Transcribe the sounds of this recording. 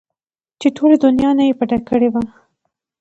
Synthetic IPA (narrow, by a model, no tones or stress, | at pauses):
t͡ʃeʈʰolad̪ʊnjɑnajepaʈakəɽewa